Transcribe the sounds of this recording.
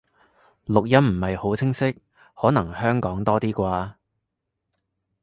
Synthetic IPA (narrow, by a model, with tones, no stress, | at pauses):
lʊ˨k̚jɐ˥mm̩˨˩mɐ˨jho˨˥wt͡sʰɪ˥ŋsɪ˥k̚ | hɔː˨˥nɐ˨˩ŋhœː˥ŋkɔː˨˥ŋt̪ɔː˥t̪iː˥kʷaː˧